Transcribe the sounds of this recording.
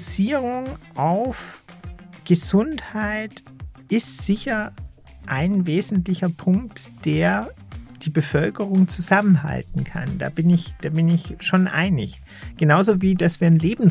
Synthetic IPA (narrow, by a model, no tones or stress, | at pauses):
siːʁʊŋʔaʊf | ɡ̥əzʊnthaɪt | ʔɪstz̥ɪçɐ | ʔaɪnveːzn̩tlɪçɐpʰʊŋk̚td̥eːɐ | d̥iːbəfœlkəʁʊŋt͡suzamənɦa̰ltn̩kʰa̰nd̥a̰ːbɪnɪçd̥aːbɪnɪçʃoːnʔa̰ɪnɪ̰ç | ɡ̥ənaʊzoːviːdasv̥iːɐnleːbm̩